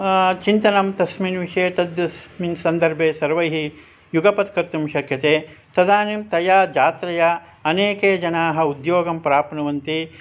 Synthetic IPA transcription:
t͡ʃint̪ɐnɐmt̪ɐsminʋiʂɐeɐt̪ɐd̪jɐsminsɐnd̪ɐɾbʱeːsɐɾʋɐjɦi | juɡɐpɐt̪kɐɾt̪umʃɐkʰjɐt̪eːt̪ɐd̪aːnimt̪ɐjaːd͡ʒaːt̪ɾɐjɐ | ɐneːkeːd͡ʒɐnaːɦɐ̆ud̪joːɡɐmpɾaːpnɐʋɐnt̪i

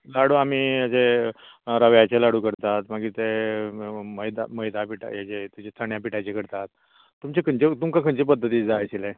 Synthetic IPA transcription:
laɽuːamiːəd͡ze | ɾaʋjat͡ɕelaɽuːkəɾt̪at̪maɡit̪e | məjd̪a̰məjd̪apiʈa̰jat͡ɕet̪ut͡ɕest̪ʰaɳjapiʈajt͡ɕekəɾt̪at̪̚ː | umt͡ɕekʰənt͡ɕet̪umkãkʰənt͡ɕipəd̪ʱːət̪iːd͡zaːjsile

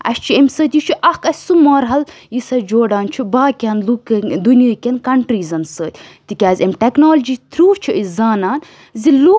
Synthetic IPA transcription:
ɐ̰sʲt͡ʃʰiemʲsəːt̪ʲjit͡ʃʰuʔɐhkɐsʲsumoːɾɦɐl | jisɐd͡ʒoːɖaːnt͡ʃʰubaːkʲaːnlukd̪unijəːkʲɐnkɐɳʈɾiːzɐnsəːt̪ʲt̪ikʲaːzʲɐmʈeknoːld͡ʒiːt̪ɾuːt͡ʃʰiʔizaːnaːn | zilu

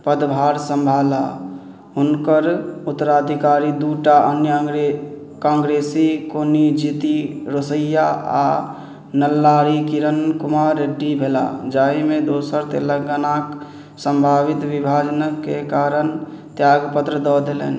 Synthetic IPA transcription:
pəd̪bʱaːɾsə̃mbʱala | ɦunkəɾut̪ːəɾad̪ʱikaɾid̪uʈaʔənjəɡɾe | kãːŋɡɾesikonid͡ʒit̪iɾosəjaa̰ | nəlːaɾikiɾənkumaɾeɖːibʱela̰d͡ʒaimed̪osəɾt̪ḛləɡənaːk | sə̃mbʱaʋit̪ʋibʱad͡ʒənəkekaɾən | t̪jaɡpət̪ɾəd̪ɔd̪elḛːn

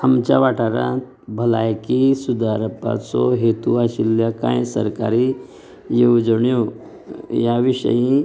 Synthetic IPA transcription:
amt͡ɕaʋaʈaɾã̰t̪̚ | bʱəlajkisud̪aɾəpa̰t͡sɔɦet̪uaɕilːjakã̰jsə̰ɾkaɾi | jed͡zəɳju | jaʋiɕə̰jĩ

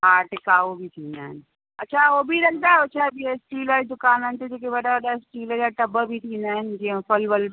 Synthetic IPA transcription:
aːʈɪkaːobʱit̪ʰiːnd̪aɦɪn | ɐtːt͡ʃʰaoːbʱiɾɐkd̪aɦɛot͡ʃʰaɦbʱiesʈiːlaːd̪ʊkaːnaɦnt̪ed͡ʒek̬ebɐɗaəɗasʈiːləaʈɐbəbʱit̪ʰiːnd̪aɦɪnɪ̆d͡ʒiə̃pəlbəl

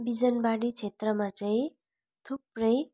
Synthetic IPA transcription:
bid͡zʌnbaɽit͡sʰet̪rʌmat͡saĩ | t̪ʰuprʌj

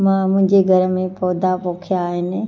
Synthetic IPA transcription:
mãːmʊ̃ɦɪ̃ɲd͡ʑeɡʱɐɾəmẽpɔːd̪apoːkʰijaːɦɪnɪ̆

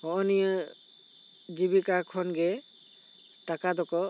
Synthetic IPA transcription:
hɔʔɔnijə | d͡ʒibikakʰɔnɡɛ | ʈakad̪ɔkɔ

